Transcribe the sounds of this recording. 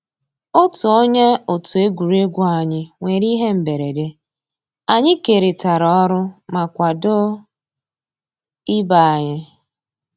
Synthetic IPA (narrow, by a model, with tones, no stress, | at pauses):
o˦tʊ˨o˦ɲe˦o˨tu˨e˦ɡʷu˨ɾe˦ɡʷʊ˦a˨ɲɪ˦ŋʷe˨ɾi˦ɦe˦m̩˨be˨ɾe˨de˦ | a˨ɲɪ˦ke˨ɾe˨ta˨ɾɔ˦ɔ˦ɾʊ˦ma˨kʷa˨dʊ˦ | ɪ˦ba˦˨a˨ɲɪ˦